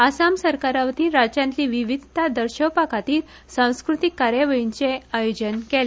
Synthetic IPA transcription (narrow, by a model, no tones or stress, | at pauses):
asamsəɾkaɾaʋt̪iːɾad͡ʑãnt̪liʋiʋid̪ʱt̪ad̪əɾɕəpakat̪iːl | sãw̃skɾut̪ikːaɾjaʋəɭint͡seajod͡ʑənkele